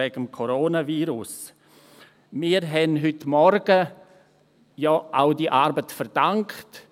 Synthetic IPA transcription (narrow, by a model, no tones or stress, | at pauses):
ɛɡəmkʰoɾoːnaviːɾʊs | miːɾɦɛnɦʏtmɔɾɡə | jɔʔaʊdiʔaːɾbətfəɾd̥aŋkt